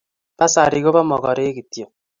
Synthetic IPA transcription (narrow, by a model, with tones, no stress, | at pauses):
b̥a˦sa̰˨ɾi˨ɡo˦ba˦mɔ˨ɡɔ̰˨ɾe˦ki˨tjo˨